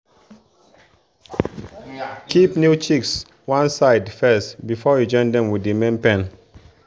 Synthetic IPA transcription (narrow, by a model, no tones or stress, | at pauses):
kipnjut͡ʃiks | wãnsaɪdfɛstbifɔjud͡ʒɔ̃ɪ̃ndɛ̃mwidemɛ̃mpɛ̃n